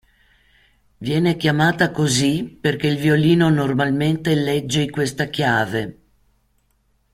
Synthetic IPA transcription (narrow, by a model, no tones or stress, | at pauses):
vjɛːnekjamaːt̪akoziperkeilvioliːnonormalment̪elɛd͡ʒːeikwest̪akjaːve